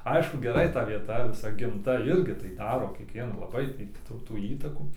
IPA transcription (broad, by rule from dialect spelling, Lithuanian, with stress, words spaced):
ˈɐɪʃkʊ ɡʲɛˈrɐɪ tɐ ʋʲiɛˈtɐ ʋʲɪˈsɐ ɡʲɪmˈtɐ ˈɪrʲɡʲɪ tɐɪ ˈdɑːroː kʲiɛkˈʋʲiɛnɐ lˠɐˈbɐɪ tʲɪ ˈtuː tuː ˈiːtɐkuː